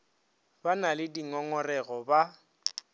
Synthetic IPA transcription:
banalɪdiŋɔŋɔrɛɣɔba

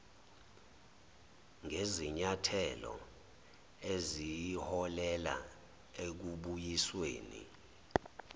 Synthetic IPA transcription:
ŋʱeziɲatʰɛlɔ̰ | ezijihɔlɛla̰ | ek̬uɓujisweːnḭ

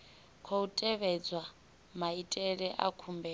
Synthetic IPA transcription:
kʰoutʼɛβɛd͡zwa | maitʼɛɺɛʔa̰kʰumbɛ

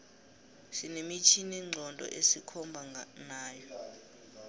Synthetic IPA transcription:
sinemit͡ʃʰiniŋ͡ǀʱɔntʼɔ̰ʔesikʰɔmbʱanaːjɔ

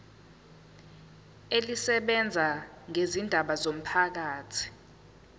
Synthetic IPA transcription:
elisɛɓɛnd͡zʱa | ŋezindʱaɓazom̩pʰak̬aːtʰi̥

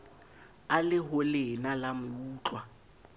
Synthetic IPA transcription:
alɪɦʊlɪnalamʊuːt͡ɬʼwa

